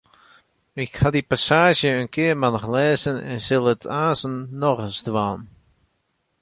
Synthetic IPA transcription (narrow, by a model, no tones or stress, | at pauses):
ɪkhadipasaːʒjəənkɪərmanχlɛːzənɛ̰nsɪlˠətʰaːzənːɔɣənzdwaːn